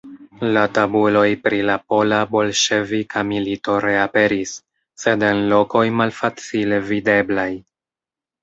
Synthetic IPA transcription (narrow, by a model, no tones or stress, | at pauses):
latabulo̞jpɾilapo̞labo̞lʃe̞vikʰamilito̞ɾe̞ape̞ɾisː | e̞de̞nlo̞ko̞jmalfat͡sile̞vide̞blaj